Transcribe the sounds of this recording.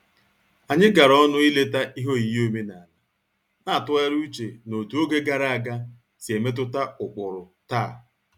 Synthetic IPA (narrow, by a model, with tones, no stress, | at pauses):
a˨ɲɪ˦ɡa˨ɾɔ˦nʊ˦i˦le˦ta˦ʔi˦ɦo˦i˨jo˦me˦na˨la˦ | na˦a˨tʊ˦e˦ɾu˦t͡ʃe˨no˨du˨˦o˦ɡe˦ɡa˨ɾa˦a˨ɡa˦ | si˨e˨me˦t̬ʊ˦ta˦ʊ˨k͡pʊ˨ɾʊ˨taː˦˨